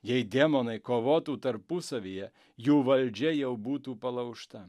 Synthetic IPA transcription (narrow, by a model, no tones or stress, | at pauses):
jɛjd̪ʲemonɐɪkoʋoːt̪uːt̪ɐɾpusɐʋʲijɛ | juːʋɐlʲd͡ʒʲɛjɛʊbuːt̪uːpɐlˠɐʊʃt̪ɐ